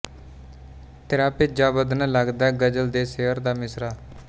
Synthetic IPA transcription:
t̪ɪɾaːpɪd͡ʒaːbəd̪nələɡd̪ɛːɡəd͡ʒəld̪eːseɦəɾd̪aːmɪsɾaː

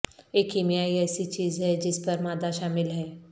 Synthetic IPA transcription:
eːkiːmijaːiɛːsit͡ʃiːzɦɛd͡ʒɪspɐɾmaːd̪aʃaːmɪlɦɛː

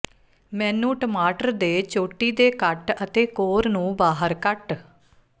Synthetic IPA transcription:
mɛ̃ːnũːʈəmaːʈəɾd̪eːt͡ʃoːʈiːd̪eːkəʈət̪eːkoːɾnũːbaːɦəɾkəʈ

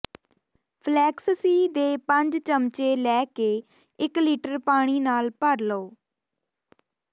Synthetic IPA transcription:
pʰlɛːkssiːd̪eːpə̃ɲd͡ʒt͡ʃəmt͡ʃeːlɛːkeː | ɪkliːʈəɾpaːɽ̃iːnaːlpəɾloː

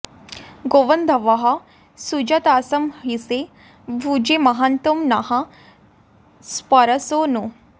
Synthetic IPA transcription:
ɡoʋɐnd̪ʱɐʋɐɦɐ | sud͡ʒɐt̪aːsɐmɦise | bʱud͡ʒemɐɦant̪umnɐɦɐ̃ | spɐɾɐsoːnu

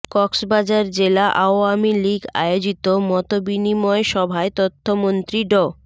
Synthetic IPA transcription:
kɔksbad͡ʑaɾd͡ʑelaʔaoamiliɡa̰jod͡ʑit̪omɔt̪obinimɔeʃɔbʱaet̪ot̪ʰːomont̪ɾiɖɔ

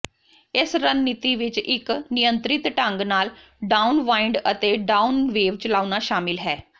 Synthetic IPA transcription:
ɪsɾənːit̪iːʋɪt͡ʃɪknɪjənt̪ɾɪt̪ʈəŋɡnaːl | ɖaːunʋaːɪɳɖət̪eːɖaːunʋeːʋt͡ʃəlaːunaːʃaːmɪlɦɛː

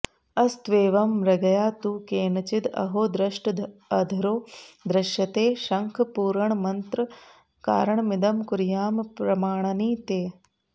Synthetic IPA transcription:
ɐst̪ʋeːʋɐmɾɐɡɐjaːt̪uːkeːnɐt͡ʃit̪ɐ̰ɦoːd̪ɾɐʃʈ̪ɐd̪ʱɐɾoːd̪ɾɐʃjɐt̪eːʃɐŋkʰpuːɾɐɳmɐnt̪ɾ | ka̰ːɾɐɳmid̪ɐmkuɾjaːmpɾɐmaːɳɐniːt̪eː

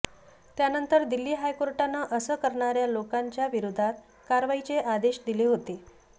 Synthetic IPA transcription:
t̪janənt̪əɾd̪ilːiːɦajkoɾʈanəʔəsəkəɾɳaɾjalokaɲt͡ɕjaʋiɾud̪ʱat̪ | kaɾʋait͡ɕeʔad̪eɕd̪ileːɦot̪e

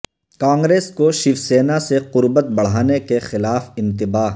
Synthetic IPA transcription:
kãːŋɡɾeːskoʃɪfseːnaseqʊɾbət̪̚bɐɽ̤aːnekexɪlaːfɪ̃nt̪ɪbaːɦ

